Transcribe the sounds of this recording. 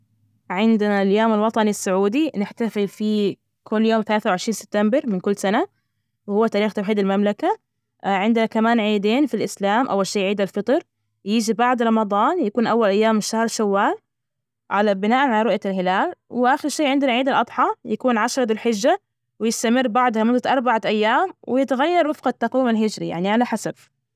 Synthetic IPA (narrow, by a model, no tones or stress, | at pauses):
ʕɪnd̪ɪnaljoːmalwɑt̪ˤɑnisːʊʕuːd̪inɪħt̪afɪlfi | kʰʊlːjoːmθalaːθawʕɪʃɾiːnsɪb̚t̪ːambɪɾˤmɪnkʊlːsana | wɪhʊwːat̪aːɾiːxt̪awħiːd̪almamlaka | ʕɪnd̪ɪnakamaːnʕiːd̪eːnfilʔɪslaːmʔa̰wːalʃeːjʕiːd̪alfɨt̪ˤɑɾˤ | jiːd͡ʒibaʕd̪ɾˤɑmɑðˤɑːnjakuːnʔawːalʔajːaːmːɪʃahɾˤʃawːaːl | ʕalabɪnaːʔanʕalaɾˤʊʔjalɦɪlaːlwɪʔaxɪɾʃeːʕɪnd̪ɪnaʕiːd̪alʔɑd̪ˤħɑjakuːnʕaʃɾˤɑd̪ʊlħɪd͡ʒːa | wɪjɪst̪amɪrːbaʕd̪hamʊd̪ːat̪ʔɑɾˤbaʕaʔajːaːmwɪjɪt̪aɣajːɑɾˤwɪfqɑt̪ːɑqwiːmalɦɪd͡ʒɾḭja̰ʕniʕalaħasab